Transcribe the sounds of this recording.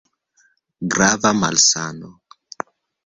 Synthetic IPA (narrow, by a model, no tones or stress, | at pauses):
ɡɾavama̰lsano